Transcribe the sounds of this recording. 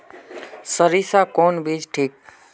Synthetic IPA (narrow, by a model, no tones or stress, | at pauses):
səɾisakoːnbiːd͡ʒʈʰiːk̚